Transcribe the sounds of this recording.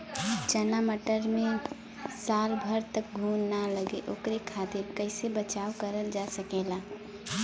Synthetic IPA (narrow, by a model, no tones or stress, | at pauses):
t͡ʃənaməʈəɾmẽ | salbʱəɾt̪ək̚ɡʱuːnːaləɡeʔokɾekʰat̪iɾkəɪsebət͡ʃaokəɾəld͡ʒasəkela